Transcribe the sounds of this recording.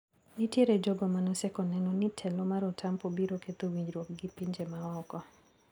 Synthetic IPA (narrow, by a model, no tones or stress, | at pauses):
nitjeɾed͡ʒɔɡɔmanɔsɛkɔnɛnɔnɪtʰɛlomaɾɔtʰampobiɾoket̪owiɲd͡ʒɾwɔk̚ɡɪpiɲd͡ʒemaɔkɔ